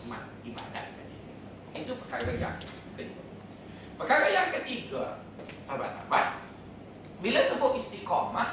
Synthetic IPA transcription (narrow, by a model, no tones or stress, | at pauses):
mã̰t̪̚diba̰da̰t̪̚kani | ɛnit̪upəkaɣaja̰ŋ | kədə | pəkaɾajaŋkət̪iɡa | saba̰t̪sa̰bat̪̚ | bilasəbʊʔist̪ikɔma